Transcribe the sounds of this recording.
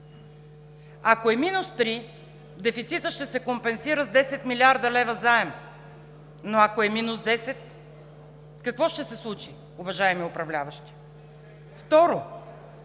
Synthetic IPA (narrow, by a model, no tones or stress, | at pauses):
akoɛminust̪ɾi | d̪ɛfit̪sit̪əʃt̪ɛsɛkompɛnsiɾəzd̪ɛsɛt̪milʲiaɾd̪əlɛvəzaɛm | noakoɛminusd̪ɛsɛt̪ | kɐkvɔʃt̪ɛsɛslˠut͡ʃi | ʊvɐʒaɛmiʊpɾɐvlʲavɐʃt̪i̥ | ft̪ɔɾo